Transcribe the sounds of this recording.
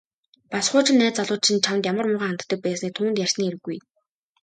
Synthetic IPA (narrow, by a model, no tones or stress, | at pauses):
pasχʊːt͡ɕɪ̆nːæːt͡saɮʊːt̪t͡ɕʰĭnt͡ɕʰamt̪jamə̆rmʊʁaːant̪ːə̆k̚pæːsniːk̚t̪ʰuːnt̪jær̥sniːeɾɘ̆ɡːuj